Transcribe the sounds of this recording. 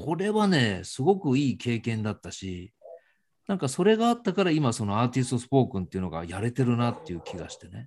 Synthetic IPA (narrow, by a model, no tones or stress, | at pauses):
kʰo̞ɾe̞βane̞ːsɨɡo̞kɯ̟iːkʰe̞ːkẽnd̪at̪ːaɕi | nãŋkaso̞ɾe̞ɡaːt̪ːakaɾaimaso̞no̞aːt̪ʲis̬ɨ̥t̪o̞sɨ̥po̞ːkɯ̟̃nt̪e̞iɯ̟no̞ɡa̰jaɾe̞t̪e̞ɾɯ̟nat̪ːe̞jɯ̟ːkʲʰiɡa̰ɕi̥t̪e̞ne̞